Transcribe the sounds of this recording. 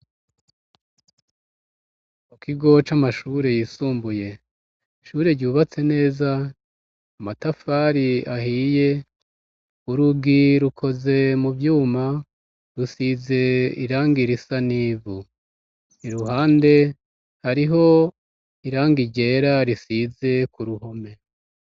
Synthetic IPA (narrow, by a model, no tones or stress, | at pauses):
mukʰiɡo̞t͡ʃamaʃuɾe̞jiːsuːmbuje̞ | ʃuɾe̞ɾɟuːβat͡se̞ne̞ːzaː | matafaɾiaɦiːje̞ | uɾuɡiɾukʰo̞ze̞mubjuːma | ɾusize̞iɾaːŋɡiɾisaniːvu | niɾuɦaːnde̞ | haɾiɦo̞ | iɾaːŋɡiɟe̞ːɾaɾisize̞kuɾuɦo̞me̞